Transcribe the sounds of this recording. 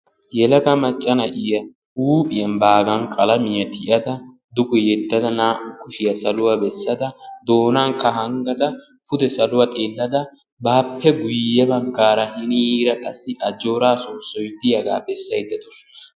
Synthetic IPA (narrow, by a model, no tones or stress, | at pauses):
jɛlɐɡɐmɐt͡ʃʼːɐnɐʔɪjɐ | uːpʼɪjɐnbaːɡɐnkʼɐlɐmɪjɐt̪ʰɪʔɐd̪ɐ | d̪ʊkʼʊjɛd̪ːɐd̪ɐnaːʔʊkːʊʃɪjɐsɐlʊwabɛsːɐd̪ɐd̪o̞ːnaːŋkːɐhɐŋɡɐd̪ɐ | fʊd̪ɛsɐlʊwɐt̪ʼeːlːɐd̪ɐ | baːpʰːɛɡʊjːɛbɐɡːaːɾɐhɪnɪjiːɾɐkʼɐsːɪʔɐd͡ʒo̞ːɾaːsoːsɔjd̪ɪjɐɡa̰ːbɛsːɐjd̪ɐd̪ʊsɔɐ